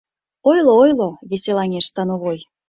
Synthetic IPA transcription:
ojloojloβeselɑŋʲeʃst̪ɑnoβoj

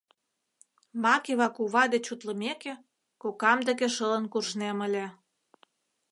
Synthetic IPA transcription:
mɑkeβɑkuβɑd̪et͡ɕut̪lə̆meke | kokɑmd̪ə̆keʃələ̆nkurʒnemə̆lʲĕ

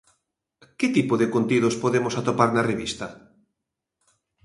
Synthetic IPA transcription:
ket̪ipoðɪkont̪iðospoðemosat̪opaɾnareβist̪ɐ

